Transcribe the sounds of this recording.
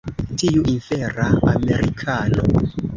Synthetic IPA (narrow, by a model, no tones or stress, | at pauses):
tiuʔinfeɾaameɾikʰano̰